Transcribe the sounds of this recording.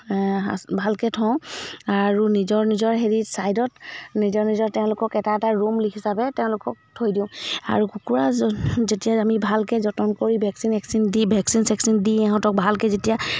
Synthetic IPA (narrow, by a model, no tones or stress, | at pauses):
a̰bʱalkɛtʰɔ̃aɹunizɔɹnizɔɹɦeɹitsajdɔtnizɔɹnizɔɹtɛʊ̃lʊkɔkɛtaɛtaɹumlikʰisabɛtɛʊ̃lʊkɔk̚tʰojdiʊ̃a̰ɹukukuɹazetijaamibʱalkɛzɔtɔnkoɹibʱɛksinɛksindibʱɛksinsɛksindĩɛɦɔ̃tɔk̚bʱalkɛzetija